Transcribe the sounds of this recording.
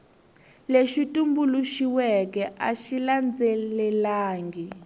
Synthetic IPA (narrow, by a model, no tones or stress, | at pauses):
leʃitumbuluʃiwɛkɛʔaʃiland͡zɛlɛlaːŋɡi